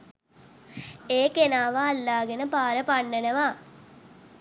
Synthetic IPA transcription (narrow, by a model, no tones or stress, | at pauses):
eːkenaːʋaːlːaːɡenəpaːɾəpaɳːenəʋa